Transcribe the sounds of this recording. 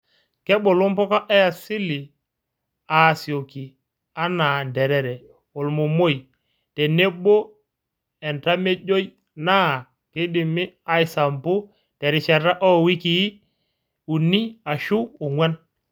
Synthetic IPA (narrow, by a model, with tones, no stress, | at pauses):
kɛ˦bo˨lo˦mpɔ˦ka˦ʔɛ˦a˨si˦li˨ | a˨si˨o˨ki˨ | a˦na˨ndɛ˨ɾɛ˨ɾɛ˨ | o˨lmo˨mo˦j | tɛ˨ne˦bo˦ | ɛ˨nta˦me˦d͡ʒo˦j | na˦˨ | ke˦dɪ˨mɪ˦a˦i˨sa˨mbu˦ | tɛ˨ɾɪ˨t͡ʃa˨ɾa˦ʔɔ˦wi˦ki˨˦ | u˨ni˦a˨ʃuː˦˨ŋwɛ˦n